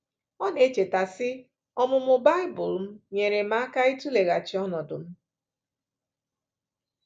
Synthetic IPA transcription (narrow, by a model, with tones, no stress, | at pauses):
ɔ˦ne˨˦t͡ʃe˨ta˨sɪ˦ | ɔ˦mʊ˨mʊ˨ba˦ɪ˦bʊ˨lm̩˦ɲe˨ɾe˨m̩a˦a˦ka˦i˦tu˦le˨ɣa˨t͡ʃɪ˨˦ɔ˦nɔ˨dʊ̰˨m̩˦